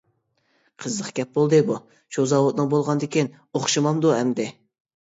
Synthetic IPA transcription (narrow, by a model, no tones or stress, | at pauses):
qʰəzləqɡʲɛp̚bolˠd̪ɨbu | t͡ʃʰozɑwot̪̚nɨŋbolˠʁɑnd̪ɪkʲin | oχʃɨmɑmd̪uhɛmd̪ɪ